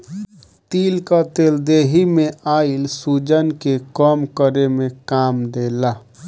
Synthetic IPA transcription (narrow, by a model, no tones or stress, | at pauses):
t̪iːlkət̪eːld̪eɦimeʔailsud͡ʒənkekəmkəɾemekamd̪ela